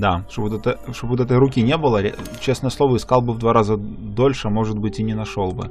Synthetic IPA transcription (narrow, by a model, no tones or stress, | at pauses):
d̪at̪obt̪ɛt̪əʂt̪obʊt̪ɛt̪əjɾʊkʲinʲebɨlˠəɾ̰ʲt͡ɕe̞snəjəsˠo̞vəɪskɑlˠbɨvd̪vaɾazəd̪olʲʂɨmo̞ʐɨd̪̚bɨtʲɪnʲɪnɐʂo̞lˠbɨ̰